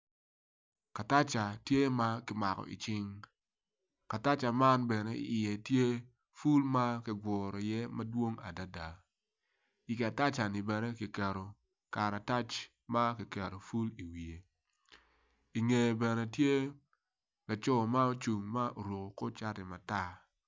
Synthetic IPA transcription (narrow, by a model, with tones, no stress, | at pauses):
ka˨ta˦t͡ʃa˨tje˦ma˦kɪ˨ma˨kɔ̰˨ḭ˨t͡ʃɪ˦ŋ | ka˨ta˦t͡ʃa˨ma˦nbɛ˨nɛ˦ɪ̰˦ɪ˨jɛ˨tje˦ | fu˦lma˦kɪ˨ɡwɔ˨ɾɔ˨jɛ˦ma˦dwo˦ŋa̰˨da˦da˨ | i˨ki˨a˨ta˦t͡ʃa˨ni˨bɛ˨nɛ˦ki˨kɛ˨ɾo˨ | ka˨ɾa˨ta˦t͡ʃ | ma˦ki˨kɛ˨ɾo˨fu˦li˨wi˨e˨ | i˨ŋe˨bɛ˨nɛ˨tje˦ | la˨t͡ʃɔ˦ma˦o˦t͡ʃu˨ŋma˦ʔo˨ɾo˨ko˨ko˦t͡ʃa˦tɛ˨ma˨ta˦